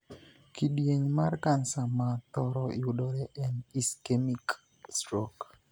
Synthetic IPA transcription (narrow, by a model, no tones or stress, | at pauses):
kidjeɲmarkansamat̪ɔɾɔɪʊdɔɾɛʔɛniskemik | stɾɔk